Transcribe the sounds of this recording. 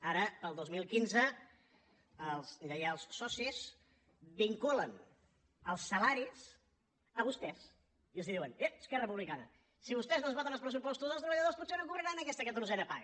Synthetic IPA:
aɾəpəlˠd̪ozmilˠkinzə | əlˠzʎajalˠsːɔsiz | biŋkulən | əlˠsːəlaɾis | əβust̪ɛs | iəlˠziðiwəneəskɛrərəp̬uβlikanə̰ | siβust̪ɛznozβɔt̪ənəlˠpɾəsupɔst̪uzəlst̪ɾəβʎəðosput̪senokuβɾəɾanəkɛst̪əkət̪uɾzɛnəpa̰ɣ

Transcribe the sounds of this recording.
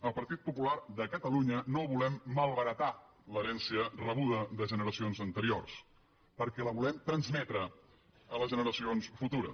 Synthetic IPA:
əlˠpəɾt̪it̪̚pupularðəkət̪əluɲənoβulɛmːəlˠβəɾət̪a | ləɾɛnsiərəβ̞uðəðəʒənəɾəsionzənt̪əɾio̰rs | pəɾkɛləβ̞ulɛmt̪ɾənzmɛt̪ɾə | ələʒənəɾəsionsfut̪uɾə̰

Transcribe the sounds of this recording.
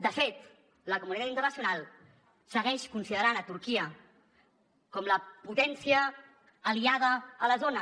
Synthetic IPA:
d̪əfet̪ | ləkumunit̪at̪int̪ərnəsiunalˠ | səɣɛʃkunsiðəɾanət̪uɾkiə | kɔmləput̪ɛnsiəː | liað̞əːləzonə

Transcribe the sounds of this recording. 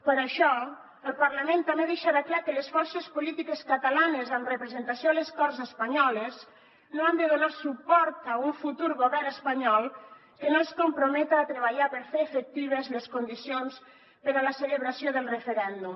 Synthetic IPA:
pəɾaʃɔ | elpaɾlamẽnt̪ameðeʃaðaklakelesfɔɾsespolit̪ikeskat̪alanezanrepɾezent̪asjoleskɔɾzespaɲɔles | nõand̪eðonaɾsupɔɾt̪auɱfut̪uɾɣoβɛɾnespaɲɔl | kenõskompɾomɛt̪aːt̪ɾeβaʎaɾpeɾfeːfek̚t̪iβ̞ezleskond̪isjons | peɾalaseleβɾasjoðelˠrefeɾɛnd̪um

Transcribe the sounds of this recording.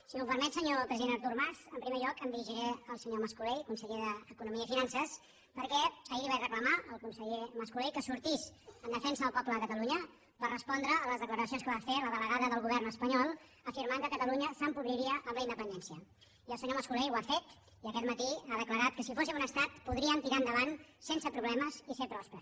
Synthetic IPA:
səɲofəɾmɛsəɲopɾəziðenəɾt̪urmaɾθəmpɾimeʎɔkəmd̪iɾiʒiɾeəlˠsəɲoməskulejkunsəʎeðəːkunumiəifinansəs | pəɾkɛsaiβarəkləmaəlˠkunsəʎeməskulejkəsuɾt̪isənd̪əfɛnsəðəlˠpɔpləðəkət̪əluɲə | pərrəspɔnd̪ɾəːləzðəkləɾəsionskəβafeləðələɣaðəðəlˠɣuβ̞ɛrnəspəɲɔlˠ | əfiɾmaŋkəkət̪əluɲəsəmpuβɾiɾiəʔəmləind̪əpənd̪ɛnsiə | iəlˠsəɲoməskulejwafet̪ | iəkɛt̪mət̪iaðəkləɾat̪̚kəsifosimunəst̪at̪puðɾiəmt̪iɾaənd̪əβansensəpɾuβlɛməzisepɾɔspɾəs

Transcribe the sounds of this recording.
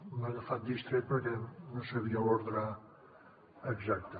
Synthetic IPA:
mələfat̪̚d̪ist̪ɾet̪̚pəɾkɛnosəβiaoɾðɾa | əɡzak̚t̪ə

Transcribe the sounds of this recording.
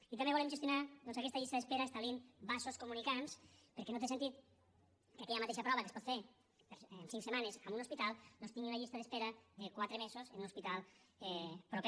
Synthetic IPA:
it̪ambeβolemʒest̪junaðɔnzakɛst̪aʎist̪aðespeɾaest̪alimbasoskumunikanspəɾkenot̪es̬ent̪it̪ | kakɛʎamat̪eʃapɾɔβəkespɔt̪feɾ | peɾnsiŋksemanezamunospit̪alˠnonst̪iŋɡiunaʎist̪aðespeɾɐðekwat̪ɾemezozenunospit̪alˠ | ɛpɾope

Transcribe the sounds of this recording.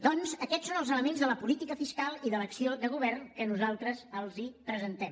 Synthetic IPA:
d̪ɔnzəkɛtsonəlˠzələmenzðələpulit̪ikəfiskalˠiðələksioðəɣ̞uβɛrnkənuzalˠt̪ɾəzəlˠzipɾəzənt̪ɛm

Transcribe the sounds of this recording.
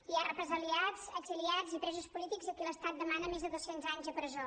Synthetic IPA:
iarəpɾəzəliazəɡziliad͡zipɾɛzuspulit̪iɡzəkɛləst̪at̪̚d̪əmanəmezðəðosenzaɲzðəpɾəzo

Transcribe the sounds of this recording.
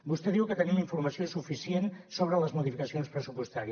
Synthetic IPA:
bust̪eðiwkət̪ənimuniɱfuɾməsiosufisjensoβɾələzmuðifikəsionspɾəsupwust̪aɾi

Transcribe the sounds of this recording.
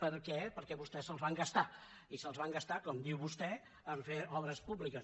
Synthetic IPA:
pəɾkɛpəɾkɛβust̪ɛsəlˠzβaŋɡəst̪a | isəlˠzβaŋɡəst̪akɔmd̪iwβust̪ɛ | əɱfeɔβɾəspuβlikəs

